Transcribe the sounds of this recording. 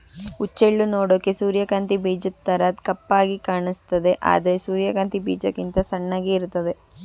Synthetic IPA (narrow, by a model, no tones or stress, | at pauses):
ut͡ʃːeɭːunoːɽoːkːesuːɾjɐkaːnt̪ibiːd͡ʒɐt̪ːɐɾaːt̪kɐpːaːɡikaːɳist̪ɐd̪e̞ʔa̰ːd̪ɐɾesuːɾjɐkaːnt̪ibḭːd͡ʒɐkint̪ɐsɐɳːaːɡeiɾut̪ːɐd̪e